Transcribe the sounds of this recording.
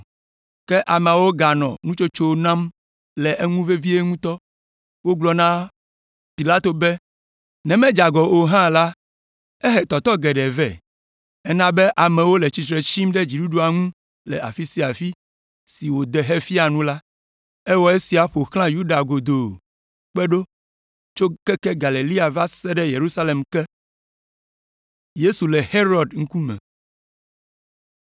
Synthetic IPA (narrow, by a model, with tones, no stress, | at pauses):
kɛ˦ʔa˨mɛ̃˨a˨wo˦ɡa˨nɔ̰̃˨nũ˦t͡ʃo˦t͡ʃo˦nã˦m | lɛ˨ʔe˦ŋũ˦ve˦vi˦e˦ŋũ˦t̪ɔ˦ | wo˦ɡ͡blɔ˨nã˦ | pi˨la˦t̪o˨bɛ˦ | nɛ̃˨mɛ̃˦d͡ʒa˨ɡɔ˨o˨ɦã˦la˦ | ɛ˦ɦɛ˨t̪ɔ˨t̪ɔ˦ɡɛ˨ɖɛ˨vɛ̰˨ | ɛ˦nã˦bɛ˦ʔa˨mɛ̃˨wo˦lɛ˨t͡ɕi˨t͡ʃɾe˨t͡ɕi˦mɖɛ˦d͡ʑi˨ɖu˦ɖu˨a˨ŋũ˦ | lɛ̰˨a˨fi˦si˦a˨fi˦ | si˨wo˨d̪ɛ˨ɦe˦fi˦a˨nũ˦la˦ | ɛ˦wɔ˦e˦si˨a˨ɸo˨xlã˦ju˦ɖa˨ɡo˨d̪o˨ | k͡pɛ˦ɖo˦ | t͡ʃo˦kɛ˦kɛ˦ɡa˨le˨li˦a˨va˦sɛ˦ɖɛ˦je˨ɾu˦sa˦le˨mkɛ˦ | je˦su˨lɛ˨he˦ɾɔ˨dŋ̩̃˦ku˦mɛ̰̃˨